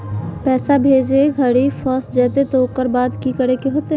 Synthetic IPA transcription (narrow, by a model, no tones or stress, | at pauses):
pɛːsabʱeːd͡ʒeɡʱəɽifʰəsd͡ʒɛːt̪et̪oːkəɾbaːd̪kikəɾekeɦoːt̪e